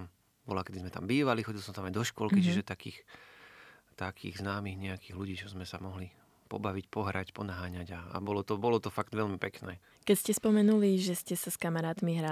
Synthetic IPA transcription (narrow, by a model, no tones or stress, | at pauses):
bɔlakɛd̪izmɛt̪ambiːʋalixɔɟilsɔmt̪amajd̪ɔʃkɔlkit͡ʃiʒɛt̪akiːx | t̪akʰḭːɣznaːmiɣɲɛakiːɣluɟiːt͡ʃɔzmɛsamɔɦli | pɔ̰baʋicpɔɦɾʔacpɔnaɦaːɲaɟa̰ːbɔlɔt̪ɔbɔlɔt̪ɔfaɡd̪ʋɛʎmipɛknɛː | kɛcscɛspɔmɛnuliʒɛscɛsaskamaɾaːt̪miɦɾa